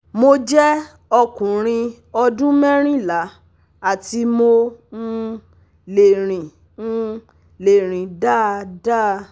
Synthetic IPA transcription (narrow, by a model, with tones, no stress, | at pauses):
mo˦d͡ʒɛ˦ | ɔ˧kũ˨ɾ̃ĩ˧ | ɔ˧dũ˦mɛ˦ɾ̃ĩ˦˨la˨˦ | a˦˨ti˧˦mo˦n̩˦ | le˨ɾ̃ĩ˨ | n̩˦ | le˨ɾ̃ĩ˨da˦˧da˦˧